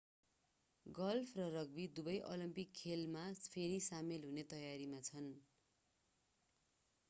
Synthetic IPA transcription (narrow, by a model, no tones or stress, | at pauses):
ɡʌlpʰrʌrʌɡbid̪ubʌjʔolimpikʰːelmapʰeɾisamelɦunet̪ʌjaɾimat͡sʰʌn